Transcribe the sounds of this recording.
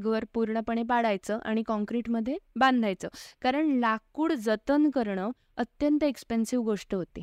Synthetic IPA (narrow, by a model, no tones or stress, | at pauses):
ɡʋəɾpuɾɳəpəɳ̃epaɽajt͡səʔa̰ɽ̃ikɔ̃ŋkɾiʈməd̪ʱːjebãnd̪ʱajt͡səkaɾəɳlakuːɽd͡zət̪ənkəɾɳə | ət̪jənt̪əekspensiʋɡoʂʈəɦot̪i